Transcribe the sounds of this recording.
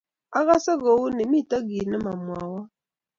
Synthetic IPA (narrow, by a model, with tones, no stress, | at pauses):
a˦ɣa˦sɛ˦ɣɔ˨wu˦ni˨mi˦˨ta˦ɡi˨nɛ˦ma˨mwa˨wa˦